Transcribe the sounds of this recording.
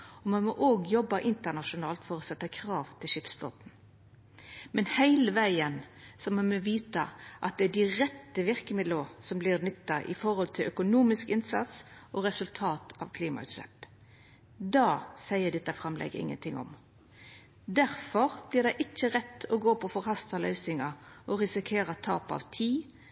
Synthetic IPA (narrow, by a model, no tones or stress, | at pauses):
ɔmɑnmɔʔoːɡjɔbːɑʔɪnt̪əʁnɑʃʊnɑːlt̪fɔɾɔsɛt̪ːəkʰɾɑːʋt̪ʰɪlʃɪpsblɔ̰t̪n̩ | mɛnhæɪləʋæɪənsɔmɑmɔʋiːt̪ɑ̰ʔɑ̰t̪̚d̪ɛædɪʁɛt̪ːəʋɪʁkəmɪd̪losɔmblɪɾnʏt̪ːɑʔɪ̰fɔɾhɔlt̪ʰɪlʔœkʊnuːmɪskɪnsɑ̰t̪sʔɔɾɛsʉlt̪ʰɑːt̪ɑ̰ʋkʰliːmɑ̰ʉ̰t̪slɛ̰p | d̪ɑːsæɪəd̪ɛt̪ːɑfʁɑmlɛ̰ɡəɪ̰ŋːə̰nt̪ʰɪŋːɔ̰m | d̪æɾfɔɾb̥lɪʁd̪æɪʔɪt͡ʃːəɾɛt̪ːɔɡoːpʰɔfɔɾhɑst̪ɑlœ̰ʏsɪŋɑʔɔɾɪsɪkʰeːɾɑt̪ʰɑːpɑ̰ʋt̪ʰiː